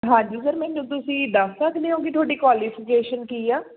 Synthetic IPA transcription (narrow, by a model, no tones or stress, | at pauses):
ɦãːɲd͡ʒiːsəɾmɛ̃ːnũːt̪ʊsĩːd̪əsːəkʰd̪eːɦõːɡit̪ʰaːɽiːkʋaːlifɪkeːʃənkiːaː